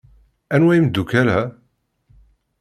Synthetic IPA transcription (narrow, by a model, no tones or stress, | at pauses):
ænwæjimd̪ːukælæ